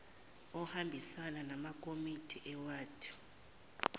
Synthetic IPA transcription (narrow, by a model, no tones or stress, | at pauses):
ɔhambʱisananamakʼomitʼʰiʔɛwaːtʰʼi̥